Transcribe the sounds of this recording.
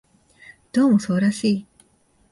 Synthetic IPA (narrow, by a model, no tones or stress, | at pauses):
d̪̥oːmoso̞ːɾaɕiː